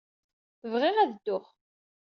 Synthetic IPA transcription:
θəvʁɪʁæðd̪ːʊχ

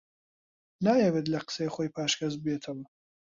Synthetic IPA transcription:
naːjewet̪̬lɐqə̥seχoːjpʰaːʃkʰɐzbeːt̪ʰɨm

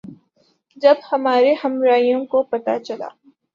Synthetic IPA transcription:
d͡ʒɐbhɐmaːɾehɐmɾaːijõkopɐt̪a̰t͡ʃɐla̰ː

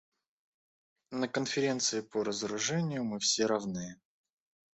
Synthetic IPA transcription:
nəkənfʲɪɾʲe̞nt̪sɨɪpoɾəzəɾʊʐɛnʲɪjʊmɨfsʲeɾɐvnɨjə

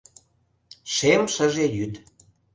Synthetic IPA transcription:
ʃemʃəʒejyt̪

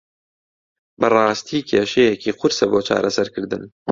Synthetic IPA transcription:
bɨrˤɑːst̪ʰiːkʲʰeːʃejɛkiːqʰʊɾsɐboːt͡ʃʰɑ̰ːɾɐsɐɾkʰɨɾd̪ɨn

